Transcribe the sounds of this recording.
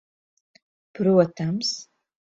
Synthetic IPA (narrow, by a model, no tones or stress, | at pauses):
b̥rɨatʰams